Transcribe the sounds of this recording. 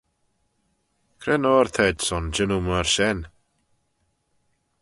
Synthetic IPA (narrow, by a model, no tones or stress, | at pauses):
kʰɾɛnɔrθʰɛdsɔnd͡ʒənumərʃɛn